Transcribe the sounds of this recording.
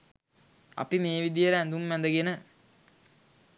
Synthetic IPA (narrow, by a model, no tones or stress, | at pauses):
ɐ̰pimeːʋid̪ijəɾəænd̪umʋænd̪əɡenə